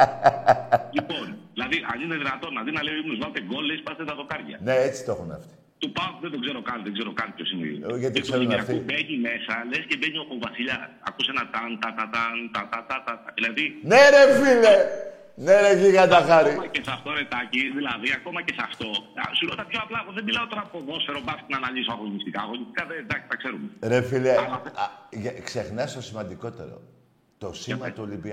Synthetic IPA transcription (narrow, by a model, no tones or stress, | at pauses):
liponðilɐðiʔɐnineðinɐt̪o̞nɐðinɐleiimnuzmɐt̪eɡo̞lespɐst̪et̪ɐðo̞kɐɾʝɐ̰neet͡si̥t̪o̞xunɐ̰ft̪i̥ | t̪upɐpðed̪o̞ɡzeɾo̞kɐnðeɡzeɾokɐnpçʰosinḭðiʝɐt̪ikseɾunɐft̪iubeɲime̞sɐlescebeɲiopovɐsiʎɐɐ̰kusenɐt̪ɐnt̪ɐt̪ɐt̪ɐnt̪ɐt̪ɐt̪ɐt̪ɐt̪ɐðilɐðineɾefile | neɾeʝiɣɐt̪ɐxɐɾiɐesɐft̪oɾet̪ɐciðilɐðiɐko̞mɐcesɐft̪o̞ɐsuleot̪ɐpçoɐplɐɣoðebilɐot̪oɾɐpoðo̞sfeɾo̞bɐsknɐːnɐʎisoɐfonist̪ikɐɣoɲist̪i̥kɐðed̪ɐksi̥tɐkseɾumeɾefile | ʝkse̞xnɐst̪o̞simɐnd̪iko̞t̪e̞̰ɾo̞̰ | t̪o̞simɐt̪uolibi